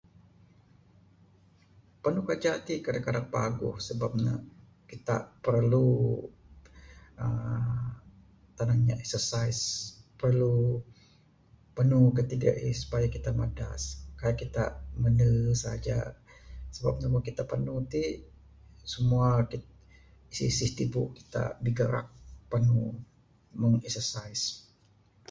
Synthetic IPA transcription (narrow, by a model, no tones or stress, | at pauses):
pənukad͡ʒat̪ikadakadaŋpaɡʊ̰hsəbap̚na̰ | kit̪a̰pərlu | ə | t̪anaŋɲa̰ʔɛksərsajspərlu | pənukət̪iɡa̰ʔisu̥pajakit̪amada̰skajakit̪amənəsaad͡ʒa̰ | səbap̚ɲamakit̪apənut̪i | səmuaki | isisiht̪ibuʔki̥t̪a̰diɡəɾʔa̰k̚pənu | məŋɛksərsajs